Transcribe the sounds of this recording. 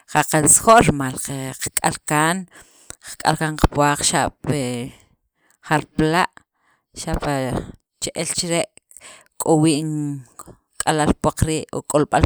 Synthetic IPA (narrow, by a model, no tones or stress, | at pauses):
χaqansχoʔɾimalqeqkʼa̰lkaːn | qkʼa̰lkaːɴqpwaːq͡χʃaʔɓ̥pe | χaɾplaʔ | ʃaʔpa | t͡ʃeʔelt͡ʃɾeʔ | kʼowiːʔŋ | kʼalalpwaq͡χɾiːʔo̰kʼolɓal